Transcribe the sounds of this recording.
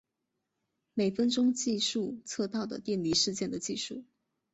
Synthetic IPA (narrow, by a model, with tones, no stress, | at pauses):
me˨˩ɪfə˥nʈ͡ʂʊ˥ŋt͡ɕi˥˧ʂu˥˧t͡sʰɤ˥˧t̪ɑ˥˩ʊd̪ə̰˩t̪jɛ˥˩nli˧˥ʂɻ̩˥˧t͡ɕjɛ˥˩nd̪ə˩t͡ɕi˥˧ʂu˥˩